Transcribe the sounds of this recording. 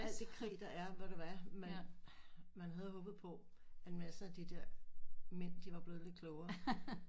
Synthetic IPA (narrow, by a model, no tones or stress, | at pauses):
æld̥ikʰʁḭːd̥ɑæɐʋæɐɾ̥eæmen | mænɦæð̞̩ˠɦɔ̽ːb̥ð̩ˠpʰɒ̽ | ænmæsəæd̥id̥eɐ̰men̰d̥iʋɑ̈b̥le̝ːð̞ˠle̝̥kʰlɔʊɐ